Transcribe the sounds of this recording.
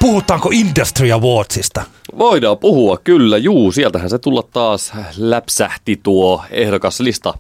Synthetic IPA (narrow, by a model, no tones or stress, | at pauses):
puhut̪ˑɑːŋkoindɑst̪riɑʋoːt̪sist̪ɑʋoidɑːpuhuɑkkylːæjuːsielt̪æhænset̪ulːɑt̪t̪ɑːslæpsæht̪it̪uoehdokɑslist̪ɑ